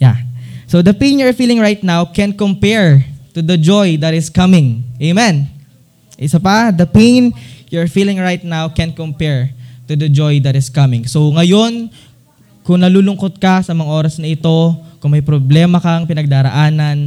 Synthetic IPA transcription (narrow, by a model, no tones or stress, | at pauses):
jasod̪ɐpẽnjʊɹfiːlɪŋɹajt̪̚nawkɛ̃nkompɛɹt̪ʊd̪ɐd͡ʒojd̪ɐt̪ɪskɐmɪ̃ŋʔejmɛn | ʔɪsɐpɐd̪ɐpenjʊɹfiːlɪ̃ŋɹajt̪̚nawkɛ̃nkompɛɹt̪ud̪ɐd͡ʒojd̪ɐt̪ɪskɐmɪ̃ŋsowŋɐjo̞n | kʊŋnɐluːlʊŋko̞t̪̚kɐsɐmɐŋɐʔoːɾɐsnɐʔɪt̪o̞kʊŋmɐjpɾoblɛːmɐkɐŋpɪnɐɡ̚d̪aːɾɐ̰ʔaːnɐn